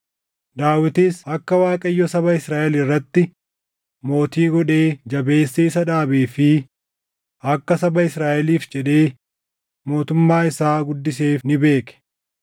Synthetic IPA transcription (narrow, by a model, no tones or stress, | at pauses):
d̪aːwɪt̪iːsɐkːɐwaːkʼɐjːɔsɐβɐɪsɾaːʔɛlɪrːɐt̪ːɪ | mo̞ːt̪iːɡɔᶑe̞ːd͡ʒɐbe̞ːsːiːsɐᶑaːbiːfɪ | ʔɐkːɐsɐbɐɪsɾaːʔɛliːfd͡ʒɛᶑe̞ː | mo̞ːt̪ʊmːaːɪsaːɡʊd̪ːɪs̬eːfnɪbe̞ːkɛ̥